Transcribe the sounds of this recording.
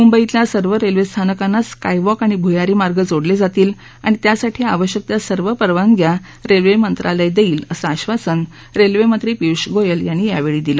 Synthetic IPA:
mumbəit̪ljasəɾʋəɾelʋest̪ʰanəkanːat͡skajʋɔkaɽ̃ibʱujaɾiːmaɾɡəd͡zoɽled͡zat̪iːl | a̰ɽ̃it̪jasaʈʰiːaʋəɕjək̚t̪jasəɾʋəpəɾʋaŋɡja | ɾelʋemənt̪ɾʔaləjd̪eiːləsəaɕʋasən | ɾelʋemənt̪ɾiːpiwʂɡojəljanːiːjaʋeɭiːd̪ilə

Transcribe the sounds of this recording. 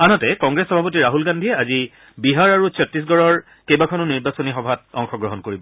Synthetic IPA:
anɔtɛkɔŋɡɹesxɔbʱapotiɹaɦulɡandʱiɛazi | biɦaɹaɹusʰɔtːis̬ɡɔɹɔɹ | kejbakʰɔnʊniɹbasɔnixɔbʱat̚ɔ̰ŋxɔɡɹɔɦɔnkoɹibɔ

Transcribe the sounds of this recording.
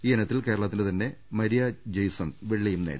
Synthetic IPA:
iːenɐt̪ːilke̞ːɾɐɭɐt̪̬ːindɨt̪ɐnːe̞mɐɾijɐd͡ʑɐjsɐnʋeɭːɐjumnḛːɽ

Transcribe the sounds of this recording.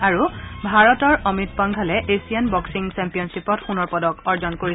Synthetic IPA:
aɹubʱaɹɔtɔɹʔɔmitpɔŋɡʱalɛʔesijanbɔksiŋsɛmpijɔnsipɔtxunɔɹpɔdɔkɔɹzɔnkoɹiɛ

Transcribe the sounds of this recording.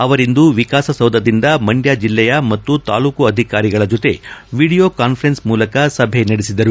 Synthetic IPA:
ɐʋɐɾind̪uʋikaːsɐsɐwd̪ʱɐd̪ind̪ɐmɐɳɖjaːd͡ʒilːɛjɐmɐt̪ːut̪a̰ːluːkuɐd̪ʱikaːɾiɡɐɭɐd͡ʒot̪e̞̰ʋiːɽijo̞ːkaːnpʰɐɾensmuːlɐkɐsɐbʱenɐɽisid̪ɐɾu

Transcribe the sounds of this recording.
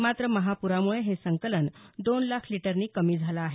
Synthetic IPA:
mat̪ɾəməɦapuɾamuɭeɦesəŋkələnd̪onlakʰliʈəɾniːkəmiːd͡zʱalaːɦe

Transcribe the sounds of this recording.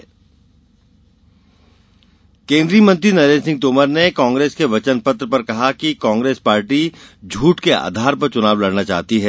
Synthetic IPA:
kẽːnd̪ɾijəmɐ̃nt̪ɾinɐɾẽːnsɪ̃ŋɡ̚t̪oːməɾnekãːŋɡɾeːskeʋɐt͡ʃənpɐt̪ɾəpɐɾkɐɦakikãːŋɡɾeːspaːɾʈid͡ʒʱuːʈkea̰ːd̪ʱaːɾpɐɾt͡ʃʊnaːʋlɐɽnat͡ʃa̰ːɦt̪iɦɛː

